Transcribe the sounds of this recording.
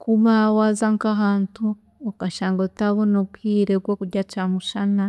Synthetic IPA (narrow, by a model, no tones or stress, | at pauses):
kumawazaŋkaɦaːntu | okaʃaːŋɡotaβonokwiːɾeɡwokuɟat͡ʃamuʃana